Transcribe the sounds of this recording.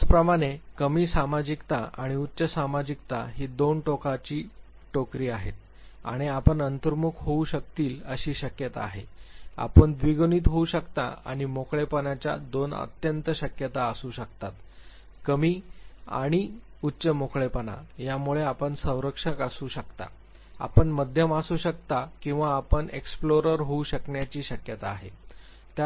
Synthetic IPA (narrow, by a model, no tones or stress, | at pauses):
t͡spɾəmaɽ̃ekəmiːsamad͡ʑikt̪aaɽ̃iutːɕəsamad͡ʑik̚t̪aɦed̪onʈokat͡ɕiː | ʈokɾiːaɦḛt̪̚ | a̰ɽ̃iapəɳənt̪əɾmukʰɦouɕəkt̪iːləɕiːɕəkjət̪a̰aːɦea̰pəɳd̪ʋiɡoniːt̪ɦouɕəkt̪a̰a̰ɽ̃imokɭepənat͡ɕja̰d̪onə̰t̪jənt̪əɕəkjət̪aəsuːɕəkt̪at̪ | kəmiːa̰ɽ̃i | utːɕəmokʰɭepəna̰jamuɭeapəɳsə̃w̃ɾəkʂəkasuːɕəkt̪a̰ | a̰pəɳməd̪ʱjəmasuːɕəkt̪akĩw̃ʋaːpəɳeksploɾəɾɦouɕəkɳjat͡ɕiːɕəkjət̪aːɦe | t̪ja